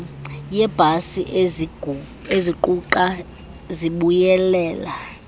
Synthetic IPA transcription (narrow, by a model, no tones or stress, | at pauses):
jɛb̥ʱasiʔ | eziǃuǃa | ziɓujɛlɛːla